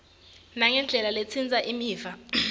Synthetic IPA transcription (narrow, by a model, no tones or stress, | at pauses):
naŋɛnd͡ɮʱɛlalet͡sʰind͡zʱʼaʔimiːva